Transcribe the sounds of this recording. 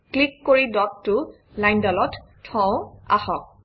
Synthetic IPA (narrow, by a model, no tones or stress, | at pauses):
klikːoɹidɔtːʊ | lajndalɔttʰɔ̃wa̰hɔk̚